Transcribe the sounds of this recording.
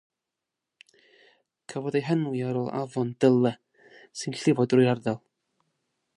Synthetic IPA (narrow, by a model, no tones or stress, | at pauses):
kʰəvɔdejɦɛnwiaɾoːlˠa̰vɔndəlˠə | sɨnɬɪvɔdrʊjardɛlˠ